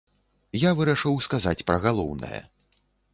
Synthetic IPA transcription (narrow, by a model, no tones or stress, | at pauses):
javɨɾaʂɨwskazat͡sʲpɾɐɣalˠɔ̰wnɐ̰jɐ̰